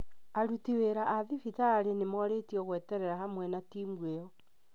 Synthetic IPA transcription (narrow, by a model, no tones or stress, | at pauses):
aɾutiweɾaʔaðifitaːɾenemɔɾetiɔɣwɛtɛɾɛɾaɦamwɛnatimweɔ